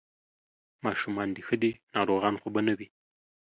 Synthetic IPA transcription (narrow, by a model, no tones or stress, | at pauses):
mɑʃumɑnd̪ixəd̪inɑɾoɣɑnxobanawi